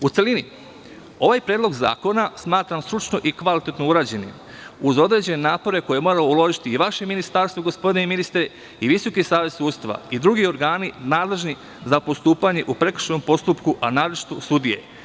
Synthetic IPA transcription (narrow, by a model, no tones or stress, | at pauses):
ut̪se̞lini | o̞ʋajpɾeːd̪lˠo̞ɡza̰ːko̞nasmaːt̪ɾamst̪ɾut͡ʃno̞ʔikʋalit̪e̞t̪no̞uɾaːd͡ʑe̞nḭm | uzo̞d̪ɾe̞d͡ʑe̞nenaːpo̞ɾe̞ko̞jemo̞ːɾaoulo̞ʒit̪iːʋaʃe̞minist̪aɾst̪voɡo̞spo̞d̪ineminist̪ɾe | iʋiso̞kisaːʋe̞d̪suːst̪ʋa̰id̪ɾuɡio̞ɾɡaːninaːd̪le̞ʒni | zapo̞st̪uːpaɲe̞ʔupɾe̞kɾr̥ʃnompo̞st̪upkuʔanaːɾot͡ʃi̥t̪usud̪ije̞̰